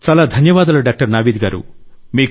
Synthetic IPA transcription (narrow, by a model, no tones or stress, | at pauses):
t͡ʃaːlaːd̪ʱɐnjɐʋaːd̪ɐlɐɖaːk̚ʈɐɾnaːʋiːd̪iɡaːɾṵmiːk